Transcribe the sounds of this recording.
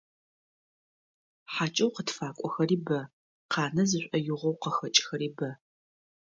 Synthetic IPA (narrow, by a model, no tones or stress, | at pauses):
ħaːt͡ʃʼɐwqətfaːkʷʼɔxɐriːbɐ | qɑːnɐzɨɕʷʼɐjʊʁʷɐwqɐxɐt͡ʃʼxɐɾiːbɐ